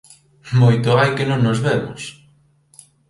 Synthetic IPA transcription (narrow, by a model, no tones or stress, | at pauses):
mojt̪ʊajkɪnõŋnozβɛmʊ̰s